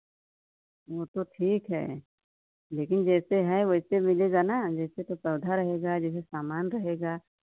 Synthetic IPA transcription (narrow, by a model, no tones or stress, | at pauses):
ʋoːt̪oʈʰiːkɦɛ̰ː | leːkɪnd͡ʒɛːseɦɛʋoɪsemɪleːɡanad͡ʒɛːset̪opɾɐːd̪ʱaɾɐɦeːɡaːd͡ʒɛːs̬esaːmaːnɾɐɦeːɡaː